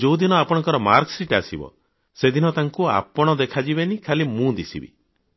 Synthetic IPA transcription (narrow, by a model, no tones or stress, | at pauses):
d͡ʒowd̪inɔapɔɽ̃ɔ̃ŋkɔɾɔmaɾksiʈasibɔ̰ | sed̪inɔt̪aŋkua̰pɔɽ̃ɔd̪ekʰad͡ʒibenikʰalimũd̪isḭbḭ